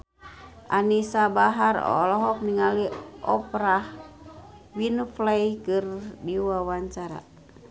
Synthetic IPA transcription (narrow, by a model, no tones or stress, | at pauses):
ʔanisabaɦarɔ̰lɔɦɔk̚niŋaliʔɔpɾah | winflaikɨrdiwawaɲt͡ʃaɾa̰